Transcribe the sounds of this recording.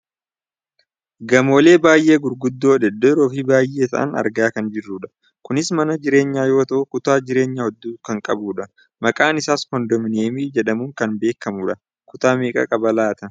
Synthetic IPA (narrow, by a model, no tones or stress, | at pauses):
ɡɐmo̞ːle̞ːbaːjʔe̞ːɡʊɾɡʊd̪ːo̞ːᶑɛd̪ːɛɾoːfibaːjʔːe̞ːt̪ɐ̰ʔɐ̰nɐ̰ɾɡaːkɐnd͡ʒɪrːuːᶑɐ̥ | kʊnɪsmɐnɐd͡ʒɪɾe̞ːɲːaːjo̞ːt̪ɐʔʊkʊt̪aːd͡ʒɪɾe̞ːɲːɐhɔd̪ːuːkɐŋkʼɐbuːᶑɐ | mɐkʼaːnɪsaːskɔnd̪ɔmɪneːmiːd͡ʒɛᶑɐmuːŋkɐnbe̞ːkːɐmuᶑɐ | kʊt̪aːmeːkʼɐ̰kʼɐbɐlaːt̪ɐ